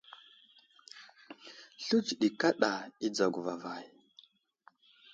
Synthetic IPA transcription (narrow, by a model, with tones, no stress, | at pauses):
ɬu˦t͡ʃɗi˨ka˦ɗa˨i˦d͡za˨ɡu˨va˨va˨j